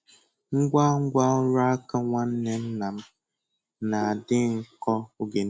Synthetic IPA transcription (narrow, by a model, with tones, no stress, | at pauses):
ŋ̩˦ɡʷa˦ŋ̩˦ɡʷa˦ʊ˦ɾa˦a˦ka˦ŋʷa˦n̩˦ne˦n̩˦na˨m̩˦ | na˨a˨dɪ˦ŋ̩˨kɔ˦o˦ɡe˨n˦